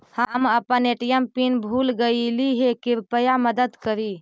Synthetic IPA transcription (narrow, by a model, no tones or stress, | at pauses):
həməpəneʈijəmpinbʱuːlɡəiliɦekɪɾpəjaməd̪əd̪kəɾi